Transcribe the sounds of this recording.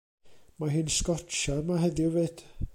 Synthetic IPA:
maɦɨːnskɔt͡ʃamaɦɛdɪved̥

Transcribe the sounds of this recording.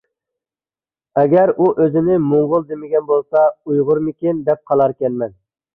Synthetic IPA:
ɛɡʲɛɾuʔøzɪnɪmʊɴʁʊlˠd̪emɪɡʲɛnbolˠsɑujʁʊɾmɪkʲind̪ɛp̚qʰɑlˠɑɾkʲɛnmɛn

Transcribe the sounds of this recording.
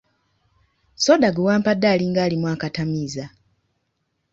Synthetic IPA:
sodaɡuwaːmpadːaliŋɡaːlimwaːkatamiza

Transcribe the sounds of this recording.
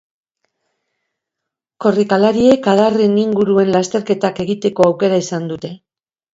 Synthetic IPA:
ko̞rikalaɾie̞kaðareniŋɡuɾue̞nlast̪e̞ɾke̞t̪ake̞ɣit̪e̞ko̞awke̞ɾaisand̪ut̪e̞

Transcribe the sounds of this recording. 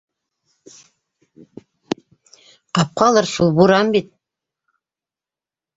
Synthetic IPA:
qɑp̚qɑlˠɤɾsulˠbuɾɑmbit̪̚

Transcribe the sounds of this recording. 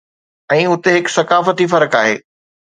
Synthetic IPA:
ɛ̃ːʊt̪eɦɪksɐkaːfət̪ifɐɾəkaːɦeː

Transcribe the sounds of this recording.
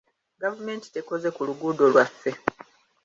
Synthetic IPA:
ɡavume̞ːnti̥te̞ko̞ze̞kuluɡuːdo̞lwafːe̞

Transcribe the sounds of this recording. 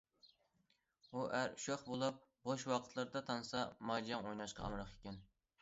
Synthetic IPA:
uʔæɾyʃoχbolˠup̚boʃwɑqʰə̥t̪ʰlˠɨɾd̪ɑt̪ʰɑnɨsɑmɑd͡ʒijɑŋojnɑʃqɑ̰ɑ̰mɾɑχekʲɛn

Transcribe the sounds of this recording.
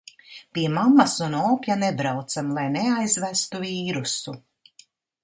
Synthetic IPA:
piɛmamasunɔːpʲjanebɾawt̪samlˠajneajzvæst̪uviːɾusu

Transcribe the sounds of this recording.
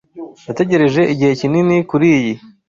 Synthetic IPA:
jate̞ɟe̞ɾe̞ʒe̞ʔiɟihe̞cininikuɾiːji

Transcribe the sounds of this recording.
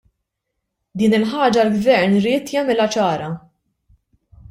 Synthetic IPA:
d̪iːnɪlħɐːd͡ʒɐlɡvɛɾnɾɪːt̪jɐmɪlɐt͡ʃɐːɾɐ

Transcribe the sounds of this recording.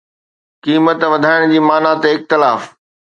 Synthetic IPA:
kiːmət̪ʋɐd̪ʱaːɪɽ̃d͡ʑiːmaːnat̪eɪxt̪ɪlaːf

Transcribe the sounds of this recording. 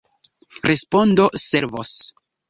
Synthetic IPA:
ɾʔespo̞ndo̞se̞ɾvos

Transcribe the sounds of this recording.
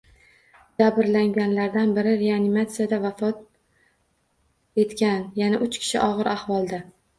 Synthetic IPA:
d͡ʒabɾlaŋɡʲanlaɾd̪anbɪɾɪɾe̞anɪmat̪sɨjad̪avafɒt̪̚ | e̞t̪kʲanjanaʔʊt͡ʃkʲʰɪ̥ʃɪ̰ʔɒʁɨɾʔahvɒlˠd̪a

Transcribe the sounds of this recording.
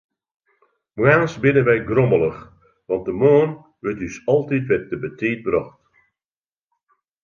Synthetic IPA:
mwɛnsbɪnəʋɛjɡroməlˠəx | ʋɑnt̚dəmoːn | ʋətysɑlˠtitʋɛt̚dəbətʰiːt̚brɔxt

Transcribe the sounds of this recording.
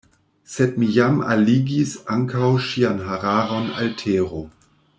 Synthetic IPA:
sɛt̚mijama̰liɡisaŋkʰawʃianɦaʁaːʁɔna̰ltʰeːʁo

